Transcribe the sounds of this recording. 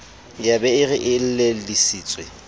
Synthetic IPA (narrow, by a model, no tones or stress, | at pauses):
jabɛɪɣɪʔɪl̩lelisiːt͡sʼwe